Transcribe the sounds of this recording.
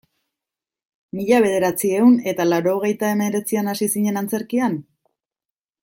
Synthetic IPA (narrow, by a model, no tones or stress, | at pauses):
miʎaβ̞e̞ð̞e̞ɾat͡sie̞une̞t̪alaɾo̞ːɣ̞e̞jt̪ae̞me̞ɾe̞t͡sianasisiɲe̞nant͡se̞ɾkian